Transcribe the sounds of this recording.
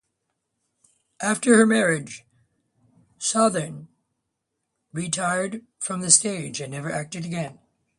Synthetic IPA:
ʔæftə˞hə˞mɛɹɪdd͡ʒ̥ | sɑðə˞n | ɹitʰaɪə˞d | fɹʌ̃mðɨsteɪd͡ʒɨ̃nːɛvə˞ʔæk̚tɨɾɨɡɛ̃n

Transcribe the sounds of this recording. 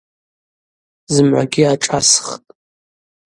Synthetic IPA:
zɨmʕʷa̰ɡʲiaʈ͡ʂʼasχtʼ

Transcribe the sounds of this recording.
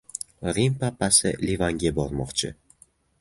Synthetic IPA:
ɾimpapːasɪ̰livaŋɡʲabɒɾmɒ̰qt͡ʃʰɪ̰

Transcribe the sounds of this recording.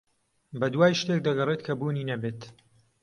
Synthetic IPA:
bɐd̪waːjʃt̪ek̚d̪ɐɡɐreːt̪kʰɐbuːniːnɐbeːt̪

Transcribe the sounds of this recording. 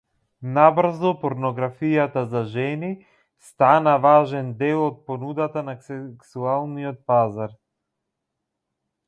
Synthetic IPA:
nabr̩zɔpɔɾnɔɡɾafijat̪azaʒɛni | st̪anavaʒɛnd̪ɛlˠɔt̪̚pɔnud̪at̪anasɛksualˠnijɔt̪̚pazaɾ

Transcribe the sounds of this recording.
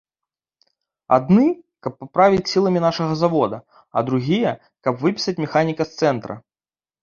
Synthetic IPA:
a̰d̪nɨkɐpːapɾavʲit͡sʲsʲilˠɐmʲinaʂɐɣɐzavɔd̪ɐ | ɐ̰d̪ɾuɣʲijɛ | kɐpvɨpʲi̥sɐt͡sʲmʲɛxanʲikɐst̪sɛnt̪ɾɐ̰

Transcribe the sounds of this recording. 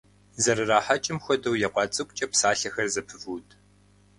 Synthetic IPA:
zɐɾɨraːħat͡ʃʼɪmxʷɔdɐwjɛqʷɑːt͡sʼɨkʷʼt͡ʃʼɐpsaːɬɐxɐrzɐpʰɨvuːtʼʰ

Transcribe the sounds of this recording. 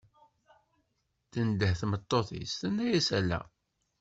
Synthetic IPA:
θənd̪əhθmət̪ˤːoθḭst̪ænːæjæsælːæ̰

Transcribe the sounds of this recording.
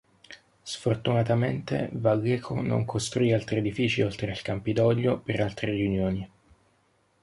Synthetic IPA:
sfort̪unat̪ament̪ḛvaɡɛkʰo̰no̰ŋkʰost̪ɾuialt̪ɾied̪ifiːt͡ʃiolt̪ɾealkampid̪ɔʎːopeɾalt̪ɾerjunjoːni

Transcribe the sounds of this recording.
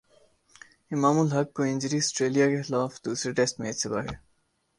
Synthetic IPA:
imaːmulɦɐkːoɪ̃nʲd͡ʑɾisʈɾeːlijakexɪlaːfd̪̥uːsɾeʈest̪met̪sɪbaɦe

